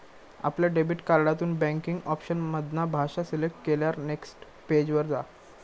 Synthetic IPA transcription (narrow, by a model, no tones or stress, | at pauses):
a̰pljaɖebiʈkaɾɽat̪uːnbæ̃ŋkiŋɡɔpɕənməd̪nabʱaʂaselek̚ʈkeljaɾneksʈ | ped͡ʑʋəɾd͡za̰